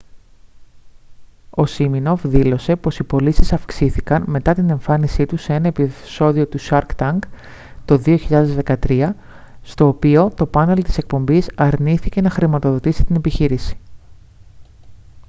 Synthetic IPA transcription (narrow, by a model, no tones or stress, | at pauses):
o̞simino̞vðilo̞se̞po̞sipo̞lisisɐfksiθikɐnme̞t̪ɐt̪ine̞ɱfɐnisit̪usee̞nɐepiso̞ðio̞t̪usɐɾkt̪ɐŋk | t̪o̞ðio̞çiʎɐðe̞zðe̞kɐt̪ɾiɐ | st̪o̞ːpio̞t̪o̞pɐne̞lt̪ise̞k̚po̞mbisɐɾniθice̞nɐxɾimɐt̪o̞ðo̞t̪isi̥t̪ine̞piçiɾisi̥